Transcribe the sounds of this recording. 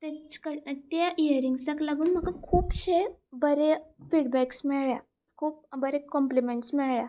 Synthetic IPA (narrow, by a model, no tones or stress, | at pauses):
t̪et͡ɕkəɽt̪jaʔiəɾiŋɡsaklaɡuːnm̤əkakʰuːpɕebəɾefiɽbæksmiɭja | kʰuːp̚bəɾekɔmplimeɳʈsmiɭɭja